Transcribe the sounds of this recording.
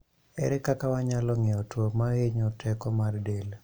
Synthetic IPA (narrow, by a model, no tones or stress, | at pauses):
ɛ̰ɾɛkakawaɲalɔŋɛɔtwomaheɲɔtɛkɔmardel